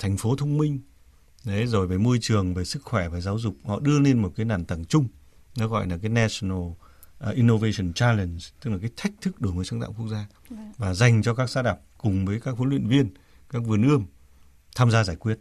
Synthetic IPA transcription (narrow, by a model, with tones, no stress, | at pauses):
t̪ʰɛ˨˩jŋ̟fo˨˦t̪ʰə˧wŋ͡mmï˧ŋ̟ | ɗe˨˦zo˨˩jveː˨˩jmo˧jt͡ɕɨ˨˩əŋve˨˩sɨ˦˥k̚xwɛ˧˩vaː˨˩zaː˨˦wzʊ˨˩k͡p̚hɔ̰˧˨ɗɨ˧əle˧nmo˨˩kaː˨˦jnaː˨˩nt̪ə˨˧˩ŋt͡ɕʊ˧ŋ͡m | nɔ˨˦ɣɔ̰˧˨jlaː˨˩k̬aː˨˦jna˧snə˧˩l | ʔʔi˧no˧ve˧sɔ˧˩nt͡ɕaː˧lə˨˩nst̪ɨ˦˥k̚la˨˩aː˨˦jt̪ʰa˦˥jk̟̚t̪ʰɨ˦˥k̚ɗɨ˧˩ŋ˨˩sə˨˧˦ŋt̪a̰ː˧˨ŋ͡mku˦˥ək̚zaː˧ | vaː˨˩za˨˩jŋ̟t͡ɕɔ˧kaː˦˥k̚zaː˨˧˥ɗaː˨˩p̚kʊ˨˩ŋ͡mvəː˨˦jkaː˦˥k̚vo˨˦lwḭ˧˨ənvi˧ən | kaː˦˥k̚vɨ˧˩ənʔɨ˧əm | t̪ʰaː˧mzaː˧zaː˧˩jkwi˦˥ət̚